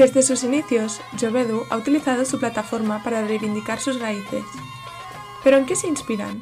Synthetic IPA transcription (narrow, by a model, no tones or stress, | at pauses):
dezðesusiniθjos | ʒoβeðuʔa̰ut̪iliθað̞osuplat̪afoɾmapaɾarejβind̪ikaɾsuzraiθḛs | peɾoeŋkeseinspiɾa̰n